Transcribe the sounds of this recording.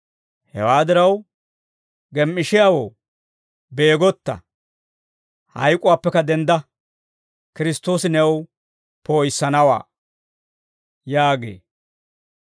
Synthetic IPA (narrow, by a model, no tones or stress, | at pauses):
hɛ̰waːd̪ɪɾɐw | ɡɛmːɪʃɪjaːwo̰ː | beːɡɔt̪ːɐ̰ | hɐ̰jkʼʊwaːpːɛkɐd̪ɛnd̪ɐ | kɪɾɪst̪ːo̞ːsɪnɛw | poːjsːɐnɐwa̰ː | jaːɡḛː